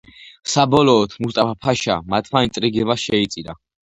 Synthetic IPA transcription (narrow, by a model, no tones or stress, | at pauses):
sabɔlɔːt̪ʰmust̪ʼapʰapʰaʃamat̪ʰmainsʼɾiɡɛvasʃɛit̪sʼiɾa